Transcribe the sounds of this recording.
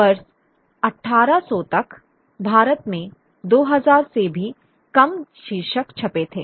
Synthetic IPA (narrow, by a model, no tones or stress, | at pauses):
bɐɾs | ɐʈʰːaːɾasɔːt̪ɐk | bʱaːɾət̪mẽ | d̪oːɦɐzaːɾsebʱi | kɐmʃiɾʃəkt͡ʃʰɐpet̪ʰeː